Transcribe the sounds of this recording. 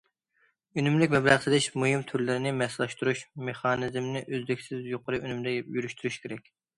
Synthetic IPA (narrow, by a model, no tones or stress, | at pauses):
ynymlɪkʲmɛblæʁsɨd̪ɪʃmuhimt̪ʰyɾlɪɾɪnɪmɛslˠɑʃt̪uɾuʃmeχɑːnɪzmnɪʔøzlɪkʲsɪzjoqʰəɾɨʔynymɪd̪ɛjyɾyʃt̪ʰyɾyʃkʲʰeɾɛkʲ